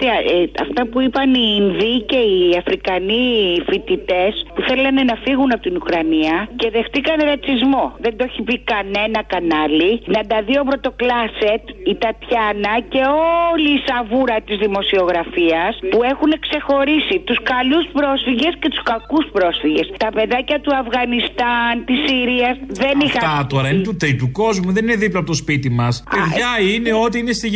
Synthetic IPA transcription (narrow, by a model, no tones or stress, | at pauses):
t̪ɐɐ̰ft̪ɐpuipɐniːnðice̞iɐfɾikɐnifit̪it̪e̞spuθe̞lɐne̞nɐfiɣunɐpot̪inukɾɐniɐce̞ðe̞xt̪ikɐneɾɐt͡sizmo̞ðend̪oeçipikɐne̞nɐkɐnɐlinɐnd̪ɐðiopɾo̞t̪o̞klɐset̪it̪ɐt̪çɐnɐce̞oliːsɐvuɾɐt̪izðimo̞sio̞ɣɾɐfiɐspue̞xune̞kse̞xo̞ɾisit̪uskɐluspɾo̞sfiʝe̞sce̞t̪u̥skɐkuspɾo̞sfiʝest̪ɐpe̞ðɐcɐt̪uɐfɣɐnist̪ɐnt̪isiɾiɐsðe̞nixɐt̪oɾɐinet̪ut̪eit̪uko̞zmuðe̞nineðiplɐp̬ot̪ospit̪imɐspeðʝɐine̞o̞t̪iinest̪i